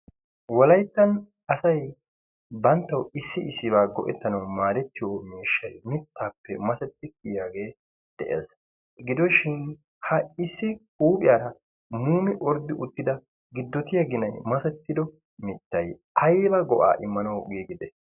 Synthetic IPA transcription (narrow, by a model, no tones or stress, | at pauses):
wɔlɐjt̪ːɐn | ɐsɐj | bɐnt̪ːɐwɪsːɪɪsːɪβaːɡɔʔɛt̪ːɐnɐwmaːd̪ɛt̪ːɪjoːmeːʃːɐjmɪt̪ʰːaːpːɛmɐsɛt̪ːɪkɪjaːɡeː | d̪̥ɛʔḛːs | ɡɪd̪ɔʃɪn | hɐɪsːɪkʼuːpʼɪjaːɾɐ | muːmɪʔɔɾd̪ːɪʔʊt̪ːɪd̪ɐ | ɡɪd̪ːɔt̪ɪjɐɡɪnɐjmɐsɛt̪ːɪd̪ɔ | mɪt̪ːɐj | ɐjbɐɡɔʔa̰ːʔɪmːɐnɐwɡiːɡɪd̪ɛ